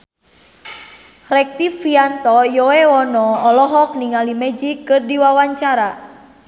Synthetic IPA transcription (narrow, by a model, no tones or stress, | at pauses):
rɛk̚t̪ifiant̪ɔjɔɛwɔnɔːlɔɦɔk̚niŋalimɛd͡ʒikːɨrdiwawaɲt͡ʃaɾa